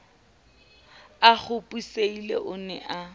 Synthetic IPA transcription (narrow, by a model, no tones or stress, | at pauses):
aχʊpʼuseilḛʔʊnɛ̰ʔa